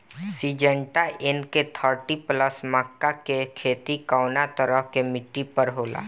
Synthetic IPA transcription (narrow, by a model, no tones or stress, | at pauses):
siːd͡ʒə̃ɳʈaʔɪnket̪ʰəɾʈipləsmakːakekʰeːt̪ikaʊnat̪əɾəɦkemɪʈːipəɾɦoːla̰ː